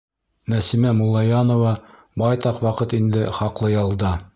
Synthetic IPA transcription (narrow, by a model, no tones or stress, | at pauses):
næsimæmulˠːɑjɑnŏvɑ | bɑjt̪ɑqwɑqɤt̪ind̪ɘχɑqlˠɤjɑlˠd̪ɑ